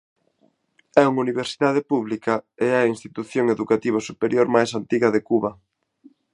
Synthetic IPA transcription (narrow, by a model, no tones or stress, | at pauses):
ɛuŋuniβ̞eɾsiðað̞epuβlikɐeɐinst̪it̪uθjoŋeðukat̪iβ̞osupeɾjoɾmajsant̪iɣɐðekuβɐ